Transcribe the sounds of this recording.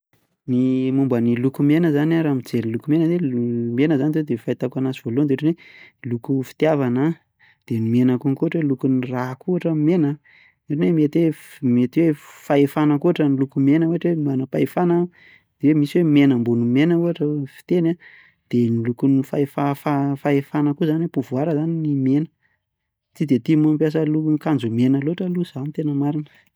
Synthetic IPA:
nimumbənilukumenəzanaɾamid͡zeɾilukumenəemenəzanit̪̬wed̪efait̪akanasiv̥oluand̪eʈ͡ʂenweilukufi̥t̪javanə | d̪̥enimenəkuŋkuaʈ͡ʂwelukunirakuaʈ͡ʂəmenə | eʈ͡ʂenwemet̪wemet̪iwefaefanəkuaʈ͡ʂənilukumenəoaʈ͡ʂwemanəpaefana | d̪̥ewemisiwemenəmbunumenəuɦaʈ͡ʂəfi̥t̪ena | d̪̥enilukunifaefafafaefanəkuzaniwepuvuaɾəzaninimenə | t̪id̪et̪imuampjas̬əluunkand͡ʒumenəloaʈ͡ʂəluz̥anit̪enəmaɾinə

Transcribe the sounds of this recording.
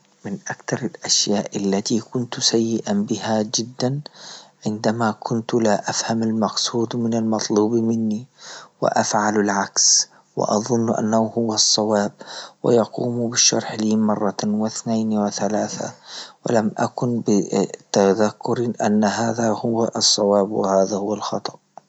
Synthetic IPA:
mɪnʔakt̪ɑɾˤalʔaʃjaːʔalːat̪iːkʊnt̪sajːɪʔabɪhad͡ʒɪd̪ːanʕɪnd̪amakʰʊnt̪laʔafhamalmɑqsˤuːd̪mɪnalmɑt̪ˤluːbmɪnːiwɪ̰ʔafʕalalʕaks | wɪ̰ʔɑ̰ðˤʊnːʔa̰nːahuhʊwːɑsˤːɑwɑːb̚wɪ̰jɑquːmubɪʃːɑɾˤħliːmɑrˤːɑwɪθnaːnwɪθalaːθa̰wɪ̰lamʔakʊnbɪt̪aðakːʊɾʔa̰nːaɦaːðahʊwaʔsˤːɑwaːbwɪ̰haːðahʊwːalxɑt̪ˤɑ̥ʔ

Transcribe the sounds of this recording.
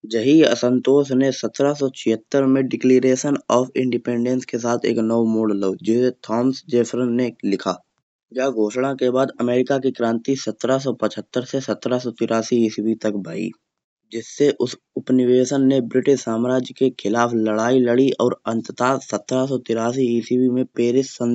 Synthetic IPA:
d͡ʒɐɦiə̰sə̃nt̪oːʃnesɐt̪ɾasɔt͡ʃʰɪɦət̪ːəɾmẽɖɪkleːɾeːʃənɔːfʰɪ̃ɳɖɪpẽːɳɖə̃nskes̬aːt̪ʰḛːknɔwmoːɖəlːəːd͡ʒɪset̪ʰɔːmsd͡ʒeːfʰɾənːelɪkʰaː | jaːɡʱoːʃɽãkebaːd̪əmeːɾɪkakikɾãːnt̪isət̪ːɾas̬ɔpət͡ʃʰət̪ːəɾsesɐt̪ɾasɔt̪ɪɾʔaːsiɦɪsibit̪ɐkbaːḭː | d͡ʒɪsːeʔʊs | ʊpnɪʋeːsənːebɾɪʈɪʃsaːmɾaːd͡ʒkekʰɪlaːpləɽaːiləɽiʔɔːɾɐ̃nt̪ət̪aːsət̪ɾasɔt̪ɪɾaːsiɦisiwimẽpeːɾɪsə̃n

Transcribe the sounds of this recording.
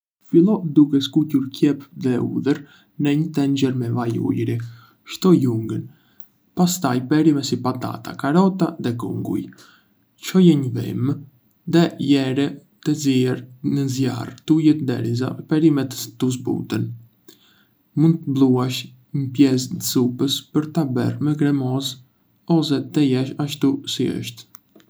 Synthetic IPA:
filˠɔd̪ukɛskucuɾkjɛpðɛṵðəɾ | nɛɲət̪ɛnd͡ʑɛɾmɛvajṵjɾi | ʃt̪ɔjuŋɡən | past̪ajpɛɾimɛsipat̪a̰t̪a̰kaɾɔt̪aðɛkṵŋɡṵj | t͡ʃɔjɛɲəvḭm | ðɛjɛɾɛ | t̪əziɛɾnəzja̰rt̪ujɛt̪d̪ɛ̰ɾiza̰pɛɾimɛt̪əst̪us̬bṵt̪ən | mund̪̚t̪əblˠuaʃ | məpjɛs̬d̪əsupəspəɾt̪abɛ̰rmɛɡɾɛmɔz | ɔs̬ɛt̪ɛjɛʃaʃt̪usiə̰ʃt̪

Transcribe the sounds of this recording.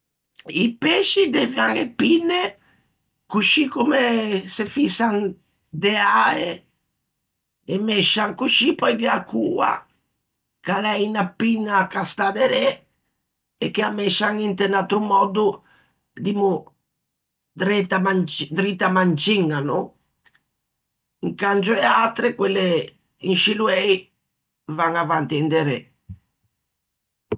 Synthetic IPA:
ipeʃid̪evjaŋepinːe | kuʃikumesefisan | d̪eae | emeʃaŋkuʃipɔjkeakːuːa̰ | kalɛjnapinːakast̪ad̪eɾe | ekːeamɛʃaŋint̪enat̪ɾumɔd̪u | d̪imu | d̪ɾɛt̪amad̪ɾit̪ːamant͡ʃiŋːanʊ | iŋkand͡ʒʊɛat̪ɾekwelːe | inʃiluɛj | vaŋavant̪iɛnd̪eɾe

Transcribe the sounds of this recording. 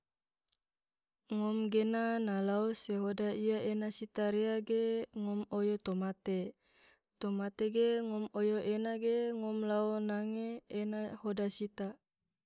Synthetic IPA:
ŋɔmɡenanalaoseɦodaijaenasit̪aɾeaɡeŋɔmojot̪omat̪e | t̪omat̪eɡeŋɔmojoʔenaɡeŋɔmlaonaŋeːnahodasit̪a

